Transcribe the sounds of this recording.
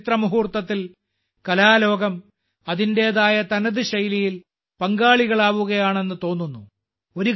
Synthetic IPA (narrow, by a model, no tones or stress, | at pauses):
t̪rɐmuɦuːrt̪ːɐt̪ːil | kɐlaːlo̞ːɡɐm | ɐðinde̞ɐðaːjɐt̪ɐnɐðɨɕɐjlijil | pɐŋɡaːɭiɣɐɭaːʋuɣɐjaːɳe̞nːɨt̪o̞ːnːunːu | o̞ɾu